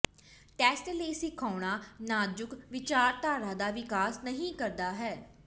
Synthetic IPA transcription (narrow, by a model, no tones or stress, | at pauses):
ʈɛːsʈleːsɪkʰaːɳ̃aːnaːd͡ʒʊkʋɪt͡ʃaːɾt̪aːɾaːd̪aːʋɪkaːsnəɦĩːkəɾd̪aːɦɛː